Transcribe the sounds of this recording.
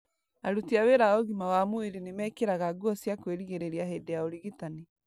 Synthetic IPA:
aɾutiaweɾaoɣimawamoeɾenemɛkeɾaɣaɡuɔsjakweɾiɣeɾeɾiaɦedeaoɾiɣitani

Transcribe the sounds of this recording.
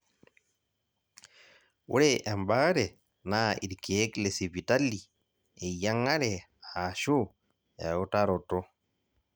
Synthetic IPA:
wuɾɛʔɛmbaɾɛ | naḭɾkeːklesivitalːi | ɛjaŋːaɾɛ | aːʃo | ɛɔtaɾɔtɔ

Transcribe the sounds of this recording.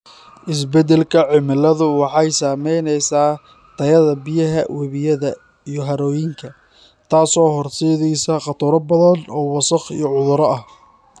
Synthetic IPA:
ʔɪs̬bɛd̪ɛlkʰɐʕɪmɪlɐðʊwɑħɑjsaːmɛjnɛjsaː | t̪ʰɐjɐðɐbɪjɐɦɐwɛβɪjɐðɐ | ijɞɦɐɾɔːjɪŋkʰɐ | t̪ʰaːsɔːɦɔrsɛːðɛjsɐqɑt̪ʰʊɾɐbɐðɐnɔːwɑsɐχḭjɞʕʊðʊɾɐɐh

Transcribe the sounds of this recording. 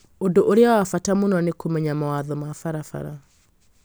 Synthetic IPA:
odoʔoɾeawafatamonɔanekomɛɲamawaðɔmafaɾafa̰ɾa̰

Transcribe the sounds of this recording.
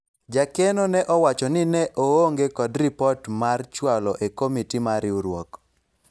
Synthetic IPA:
d͡ʒakɛnɔnɛʔɔwat͡ʃɔnɪnɛʔooŋɡekɔdripɔtmart͡ʃwalɔʔekomitimaɾɪuɾwɔ̰k

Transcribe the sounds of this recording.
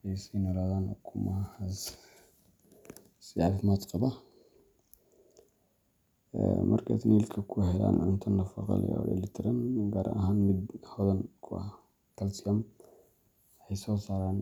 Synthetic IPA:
ɛjsɛjnɔlaːðaːnkʰʊmɐhɐs | sɪafmad̪qɑbɐ | ɛ̰mʔɐ̰rkʰa̰t̪niːlkʰɐkʰʊhɛla̰ːnʕʊnt̪ʰɐnɐfɑqɑ̰l̰ja̰lɛ̰lɪt̪ʰɪɾɐnɡaːɾʔɐ̰ʔɐɦaːnmɪd̪hɔðɐnkʰʊɐ̰h | kʰɐlsɪɐm | ħɛjsɔːsaːɾaːn

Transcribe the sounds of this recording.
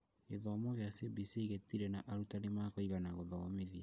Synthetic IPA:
eðɔmɔɣeasibisiɣetiɾɛnaʔaɾutanemakoiɣanaɣoðɔɣɔmeðia

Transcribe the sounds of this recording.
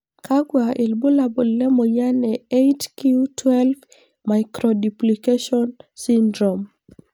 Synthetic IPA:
kʰaɡwaʔilbulabɔllɛmɔjanɛejtkiutwɛlv | majkɾɔdiplikeʃɔnsindɾɔm

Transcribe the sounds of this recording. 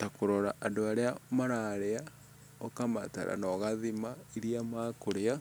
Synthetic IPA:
takoɾɔɾaʔadoaɾeamaɾaɾea | okama̰ta̰ɾa̰nɔɣaðimaiɾiamakoɾea

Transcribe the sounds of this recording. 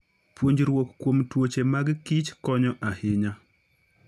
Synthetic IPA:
pwoɲd͡ʒɾwokːwomtwot͡ʃemaɡkɪt͡ʃkɔɲɔʔahɪɲa

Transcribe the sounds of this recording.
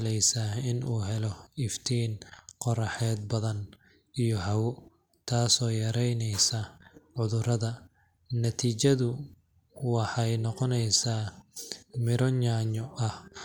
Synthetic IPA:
lɛjsaɪnuːɦɛlɔɪft̪ʰiːnqɔrɑħɛːd̪̚bɐðɐn | ijɔɦɐwʊ | t̪ʰaːsɔːjɐɾɛjnɛjsɐʕʊðʊrɐðɐː | ɐt̪ʰiːt͡ʃɐðʊ | wɑħɑjnɔqɔnɛjsaː | mɪɾɔɲaɲɔʔɐh

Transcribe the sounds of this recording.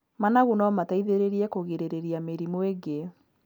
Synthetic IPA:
manaɣunɔmataiðeɾeɾiɛkoɣeɾeɾeɾiameɾimweɡe

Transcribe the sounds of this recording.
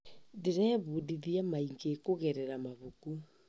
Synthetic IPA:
deɾɛβudiðiamaiŋɡekoɣɛɾɛɾamaβoku

